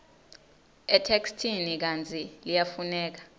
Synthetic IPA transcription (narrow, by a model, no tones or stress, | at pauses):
ɛtʰekstʰinik̬ant͡sʰʼilijafunɛːk̬ḁ